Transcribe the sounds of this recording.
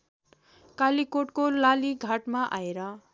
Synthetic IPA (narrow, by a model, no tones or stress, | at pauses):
kalikoʈ̚kolaliɡʱaʈmaʔaeɾʌ